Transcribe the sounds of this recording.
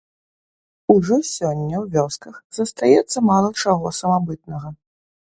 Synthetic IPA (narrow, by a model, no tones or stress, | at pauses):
uʐɔsʲɔnʲːɐwvʲɔskɐxzɐst̪ajɛt̪sːɐmalˠɐt͡ʂaɣɔsɐmabɨt̪̚nɐɣɐ